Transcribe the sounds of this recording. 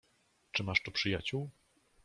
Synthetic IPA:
t͡ʂɘmaʂt̪upʂɘjat͡ɕuw

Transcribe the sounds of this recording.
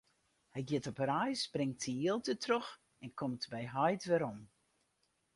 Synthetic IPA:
hɛjɡjɪtɔpərɛjsbrɪŋtsiiəlˠtətrox | ɛnkʰɔmtbɛjɦɔjtʋɛɾɔm

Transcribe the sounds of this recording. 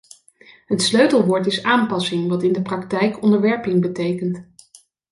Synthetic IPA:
ɦətsløɥtəlˠʋoːɹtɪsaːmpɑsɪŋʋɑtɪndəprɑktɛjkɔndəɹʋɛɹpɪŋbətejkənt

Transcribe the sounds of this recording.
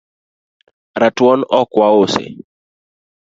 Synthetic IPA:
ɾatwɔnɔkwaosḛ

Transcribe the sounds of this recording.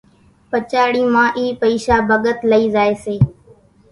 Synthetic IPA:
pət͡ʃaːɽiːmãːʔiːpəiːʃaːbʱəɠət̪ləiːzaːeːseː

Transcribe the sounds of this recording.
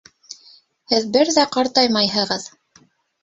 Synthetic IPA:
hɘðbɘɾðæqɑɾt̪ɑjmɑjhɤ̆ʁɤð

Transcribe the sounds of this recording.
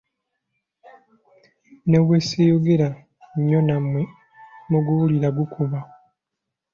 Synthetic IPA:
neβwesejoɡeɾa | ɲːonamwe | muɡuβuliɾaɡukʰuβa

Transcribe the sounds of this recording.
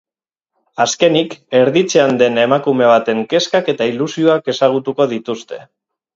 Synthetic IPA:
aske̞nike̞ɾðit͡se̞and̪e̞ne̞makume̞β̞at̪e̞ŋke̞skake̞t̪ailusio̞ake̞saɣ̞ut̪uko̞ð̞it̪ust̪e̞̥̰

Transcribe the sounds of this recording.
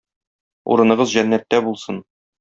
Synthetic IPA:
ṵɾɤ̆nɤ̆ʁɤzʑænːæt̪ːæbulˠsɤn

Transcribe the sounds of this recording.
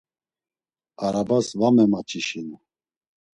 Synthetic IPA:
aɾabasvamɛmat͡ʃʰʼiʃin

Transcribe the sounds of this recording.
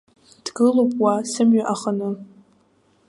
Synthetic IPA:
d̥ɡɨlopʼwasɨmɥaʔaχənɨ

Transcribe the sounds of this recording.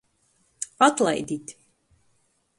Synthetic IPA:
at̪lˠa̰jd̪it̪ʲ

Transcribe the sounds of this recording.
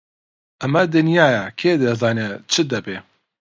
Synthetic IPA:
ʔɐmɐd̪ɨnjaːjɛkʰeːd̪ɐzaːnet͡ʃʰɨd̪ɐbeː

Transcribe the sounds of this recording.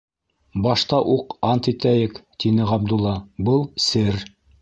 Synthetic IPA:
bɑʃt̪ɑʔuqɑnt̪it̪æjɘkt̪inɘʁɑb̚d̪ulˠːɑbɤlˠsɘɾ

